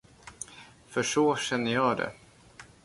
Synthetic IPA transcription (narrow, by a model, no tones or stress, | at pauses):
fœʂoːɕɛnːəjɑːd̪ɛ̰